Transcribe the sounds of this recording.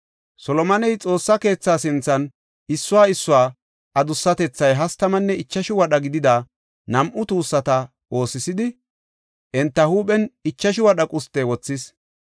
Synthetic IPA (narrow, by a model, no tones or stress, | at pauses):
sɔlɔmɐnɛjt͡sʼo̞ːsːɐke̞ːt͡sːaːsɪnt͡sːɐn | ɪsːʊwaːɪsːʊwaː | ʔɐd̪ʊsːɐt̪ɛt͡sːɐjɦɐst̪ɐmɐnːɛɪt͡ʃːɐʃɪwɐɗɐɡɪd̪ɪd̪a | nɐmʔʊt̪uːsːɐt̪ɐ | o̞ːsɪsɪd̪ɪ | ʔɛnt̪ːɐhuːpɛnɪt͡ʃːɐʃɪwɐɗɐkʼʊst̪ːeːwɔt͡sːɪs